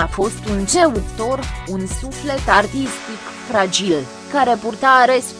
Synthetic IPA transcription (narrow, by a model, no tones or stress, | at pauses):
afo̞st̪unt͡ʃeut̪o̞runsufle̞t̪art̪ist̪ik | fɾad͡ʒil | kaɾe̞purt̪eaɾes